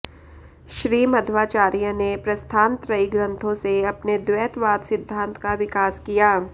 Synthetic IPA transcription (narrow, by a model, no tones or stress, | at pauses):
ʃɾiːmɐd̪ʱʋaːt͡ʃaːɾijənepɾɐst̪ʰãːnt̪ɾɐiɡɾə̃nt̪ʰõseɐpned̪ʋɛːt̪ʋaːd̪sɪd̪ʱːãːnt̪kaʋɪkaːskijaː